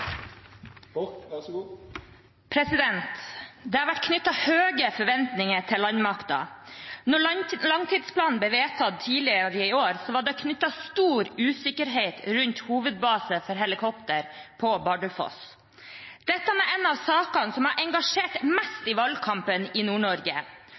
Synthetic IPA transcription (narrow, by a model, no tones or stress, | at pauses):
pʰɾɛsɪd̪ɛnt̪d̪ɛhɑɾʋæʈkʰnʏt̪ːɑhøːɡəfɔɾʋɛnt̪nɪŋəʈ̪ʰɪllːɑɲmɑkt̪ɑ̰nɔɭlɑŋt̪ʰiːd̪spʰlɑːnn̩blɛːʋeːt̪ʰɑd̪̚t̪ʰiːlɪəɾəɪoːɾsɔʋɑːɖɛɔkʰnʏt̪ːɑst̪uːɾʉːsɪkəɾɦeɪt̪ɾʉnt̪huːʋəd̪̚bɑːsəfɔɾɦɛlɪkʰɔpt̪əɾpʰɔbɑɖəfɔ̰s | d̪̥ɛt̪ːəmɛʔɛnɑʋsɑːkɑnsɔmhɑɾʔɛŋɡɑʂeːʈmɛst̪ɪʋɑlɡ̚kʰɑmpənɪnuːɳɔɾɡə